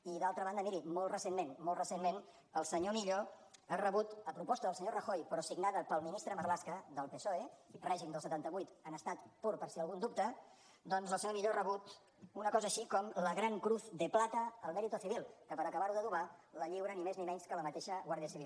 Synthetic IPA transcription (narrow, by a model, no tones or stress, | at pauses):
iðalˠt̪ɾəβand̪əmiɾimoltrəsemmenmolt̪rəsenmen | əlˠsəɲomiʎoərəβut̪əpɾupɔst̪əðəlˠsəɲorəxojpɾɔsiɡnaðəpəlˠminist̪ɾəməɾlaskəðəlˠpesoerɛʒimd̪əlˠsət̪ant̪əβujt̪ənəst̪at̪puɾpəɾsiəlˠɣund̪up̚t̪ə | d̪ɔnzləsəɲomiʎorəβut̪ | unəkɔzəːʃikɔmləɣɾaŋkɾuθd̪əplat̪əːlˠmɛɾit̪uəθiβilˠkəpəɾəkəβaɾuðəðuβaləʎiwɾənimeznimɛɲskələmət̪eʃəɣwaɾðiəsiβilˠ